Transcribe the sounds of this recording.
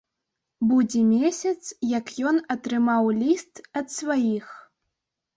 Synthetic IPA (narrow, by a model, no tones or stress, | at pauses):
bud͡zʲɛmʲesʲɐt̪sjɐkjɔnɐt̪ɾɨmawlʲist̪ɐt̪svajix